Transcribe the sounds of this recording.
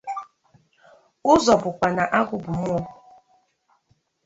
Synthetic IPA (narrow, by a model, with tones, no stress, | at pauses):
ʊ˦zɔ˨bʊ˨kʷa˨na˨ʔa˦ɡʊ˦bʊ˨mu˦ɔ˦